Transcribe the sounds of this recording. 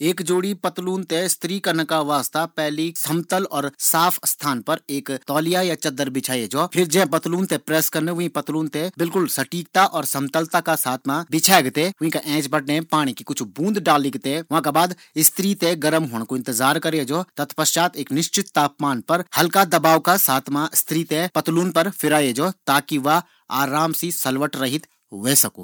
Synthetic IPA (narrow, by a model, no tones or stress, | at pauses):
eːkd͡ʒoːɽipət̪luːnt̪est̪ʰɾiːkəɾnakaʋaːst̪apɛɦlisəmt̪əlɔːɾsaːpʰst̪ʰaːnpɐɾeːkt̪ɔːlijajat͡ʃɐd̪ːəɾbɪt͡ʃʰaːid͡ʒoːpʰɪɾd͡ʒɛ̃pət̪luːnt̪epɾɛːskəɾneʋʊɦĩpɐt̪luːnt̪ebɪlkʊlsəʈiːkt̪aʔɔːɾsəmt̪əlt̪akasaːt̪ʰmãbɪt͡ʃʰaːɡt̪eʊĩkaʔɛ̃ːt͡ʃbəʈnepaːɽ̃ikikʊt͡ʃʰbũːnd̪ɖaːliɡt̪eʋɐɦãkabaːd̪ | ɪst̪ʰɾiːt̪eɡɐɾəmɦoːɽ̃koɪ̃nt̪ɪzaːɾkɐɾed͡ʒoːt̪ɐt̪ʰpɐʃt͡ʃaːt̪eːknɪʃt͡ʃɪt̪ːaːpmaːnpɐɾhɐlkad̪ɐbaːʋkasaːt̪ʰmaɪst̪ʰɾiːt̪epɐt̪luːnpɐɾfʰɪɾaːjed͡ʒɔːt̪aːkiʋɐ | aːɾaːmsisɐlʋəʈɾɐɦɪt̪ | ʋeːsɐko̰ː